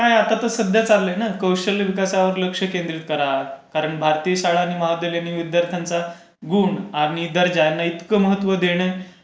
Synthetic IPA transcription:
ajat̪at̪əsəd̪jat͡salːəjnakəwʂəlʋikasaʋəɾləkʂəkend̪ɾit̪̚kəɾakaɾəɳbʱaɾt̪iːɕaɭaːñiməɦad̪eljanːiud̪jaɾt̪ʰant͡sa | ɡuːɳaɽ̃id̪əɾd͡ʑajanːait̪kəməɦət̪ːʋəd̪eɽ̃e

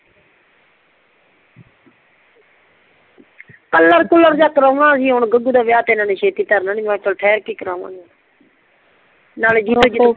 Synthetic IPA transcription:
kəlːəɾkʊləɾd͡ʒaːkɾoːʋnãːsiːɦʊnɡəɡuːd̪aːʋɪjaːt̪eːnãːneːʃeːt̪iːt̪əɾnaniːmãːt̪əlʈʰɛːɾkiːkɾaːʋã̰ːna | naːleːd͡ʒiːt̪oːd͡ʒɪ

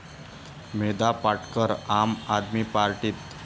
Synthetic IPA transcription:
med̪apaʈkəɾamad̪mipaɾʈiːt̪

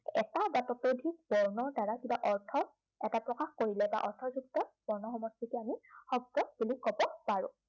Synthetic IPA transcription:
ɛ̰tabatɔtodʱik̚bɔɹnɔɹdaɹakibaʔɔɹtʰɔ | ɛtapɹɔkaxkoɹilɛba̰ʔɔ̰ɹtʰɔzuktɔb̥ɔɹnɔxɔmɔstikɛamixɔb̚tɔb̥ilikkːɔbɔpaɹʊ̰̃

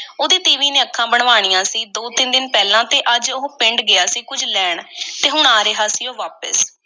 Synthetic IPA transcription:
oːd̪iːt̪iːʋiːnẽːəkʰːãːbəɳ̃ʋaːɽ̃ijãːsiːd̪oːt̪ɪnd̪ɪnpɛːlãːt̪eːʔəd͡ʒoɦːpɪ̃ɳɖɡɪaːsiːkʊd͡ʒlɛːɳt̪eːɦʊɳaːɾeɦaːsiːoːʋaːpə̰s

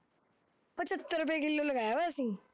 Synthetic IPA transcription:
pət͡ɕət̪ːəɾup̬jãkilːoləɡajaʋaəsĩː

